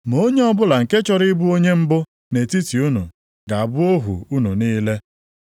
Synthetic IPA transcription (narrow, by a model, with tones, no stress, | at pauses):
m˨o˦ɲe˦ɔ˦bʊ˦la˨ŋ̩˨ke˦t͡ʃɔ˦ɾɪ˦bu˦o˦ɲe˦m̩˦bʊ˦ | ne˨ti˦ti˨u˦nṵ˨ | ɡa˨a˨bʊ˦o˦ɦṵ˨u˦nu˨niː˦le˦